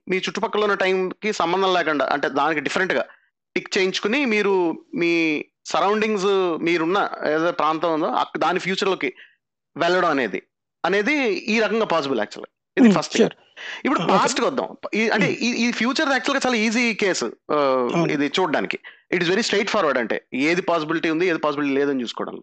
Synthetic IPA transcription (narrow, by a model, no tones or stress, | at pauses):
miːt͡ʃuʈːupɐkːɐloːunːɐʈɐjmkisɐmbɐnd̪ʱɐmlɛːkɐɳɖa̰ːʔɐ̰ɳʈe̞ːd̪aːnikiɖifʰɐɾeɳʈɡaː | ʈikt͡ʃe̞jiɲt͡ʃu̥kunimiːɾumiː | sɐɾɐwɳɖiŋsmiːɾunːɐeːðɐpɾaːnt̪ɐmund̪o̰ːɐ̰d̪aːnipʰjuːt͡ʃɐɾloːki | ʋɛɭːɐɽɐmɐne̞̰ːd̪ḭ | ɐne̞ːd̪iiːɾɐkɐŋɡaːpaːs̬ibila̰ːk̚t͡ʃuɐlɡa | id̪ipʰɐsʈː | ipːuɽupaːsʈkɔd̪ːɐ̰miɐɳʈe̞ʔiipʰjuːt͡ʃɐɾsaːk̚t͡ʃuɐlɡaːt͡ʃaːlaːiːziːke̞ːs | ḭd̪it͡ʃuːɖɖa̰ːniki̥iʈizʋeɾisʈɾejʈpʰaːɾʋɐɖɐɳʈe̞̰ːeːd̪ipaːs̬ibiliʈiund̪ieːd̪ipaːsibiliʈiːleːd̪ɐnit͡ʃuːskɔ̰ːɽɐ̰lːo